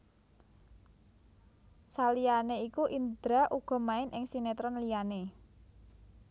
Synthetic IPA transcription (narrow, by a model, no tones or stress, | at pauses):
salijaneikuʔind̪ɾaʔuɡ̥ɔ̤maɪnʔɪŋsinet̪ɾɔnlijane